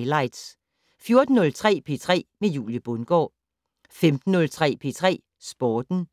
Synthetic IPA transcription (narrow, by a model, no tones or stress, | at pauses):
lɑ̈ɪd̥s | fjo̝ɐd̥n̩ːɔ̽lt͡sʰʁɛ̰ːpʰe̝t͡sʰʁɛ̰ːmejṵːljəb̥ɔnɡ̥ɒ̰ː | femd̥n̩ːɔ̽lt͡sʰʁɛ̰ːpʰe̝̰t͡sʰʁɛ̰ː | sb̥ɒːd̥n̩